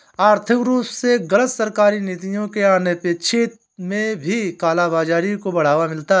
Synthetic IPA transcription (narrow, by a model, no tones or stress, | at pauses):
aːɾt̪ʰɪkɾuːpseɡɐlət̪sɐɾkaːɾineːt̪ijõkeaːnepet͡ʃʰeːt̪̚ | mẽbʱikaːlabaːd͡ʒaːɾikobɐɽ̤aːʋamɪlt̪a